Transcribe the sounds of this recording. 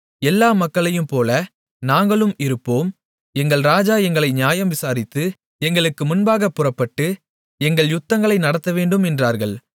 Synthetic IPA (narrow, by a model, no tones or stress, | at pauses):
ɛlːaːmɐkːɐɭɐjɯmpoːlɐ | naːŋɡɐɭɯmɪɾɯpːoːm | ɛŋɡɐɭɾaːd͡ʒaːjɛŋɡɐɭɐɪnɪjaːjɐmʋɪsaːɾɪt̪ːɯ | ɛŋɡɐɭɯkːɯmʊnbaːɣɐpːɯrɐpːɐʈːɯ | ɛŋɡɐɭjʊt̪ːɐŋɡɐɭɐɪnɐɽɐt̪ːɐʋeːɳɖɯmɛndraːɾɣɐɭ